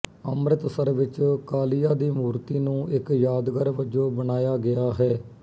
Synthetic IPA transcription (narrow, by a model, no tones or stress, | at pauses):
əmɾɪt̪səɾʋɪt͡ʃkaːlɪjaːd̪iːmuːɾt̪iːnũːʔɪkjaːd̪ɡəɾʋəd͡ʒoːbənaːjaːɡɪaːɦɛː